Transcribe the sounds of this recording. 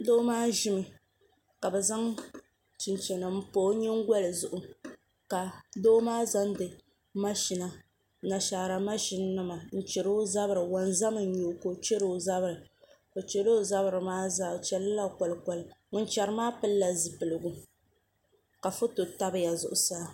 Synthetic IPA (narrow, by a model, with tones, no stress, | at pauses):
doː˦maː˦ʒɪ˦mɨ˨ | ka˨bɛ˨za˦ŋ | t͡ʃi˨nt͡ʃɛ˨nɨ˨m̩˦poː˦ɲɛ˦ŋ˦ɡʷa˦lɨ˨zʊ˨ʔʊ˨ | ka˨doː˦maː˦za˦ndɨ˨ | ma˦ʃi˨na˨ | na˨ʃa˨ɾa˨ma˦ʃi˦nː˦ɨ˦ma˨n̩˦t͡ʃɛ˨ɾo˦za˦bɨ˦ɾɨ˨wa˨nza˦mɨ˨˦ɲo˨ko˦t͡ʃɛ˦ɾo˨za˦bɨ˨ɾɨ˨ | ko˨t͡ʃɛ˨lo˦˨za˦βɾɨ˨maː˦za˦˨t͡ʃɛ˨lɨ˦la˦˨ka˨lɨ˨kɔ˨lɨ˨ŋʊ˨˦nt͡ʃɛ˨ɾɨ˦maː˦pɨ˦lːa˨zɨ˨pɨ˨lɨ˨ɡu˦ | ka˨fʊ˦to˨ta˦bɨ˦ja˨zʊ̰˨ʔʊ˨saː˦